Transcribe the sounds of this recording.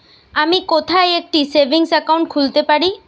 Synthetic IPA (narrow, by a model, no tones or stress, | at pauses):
amikot̪ʰajek̚ʈisebʱiŋsakawũɳʈkʰult̪epaɽi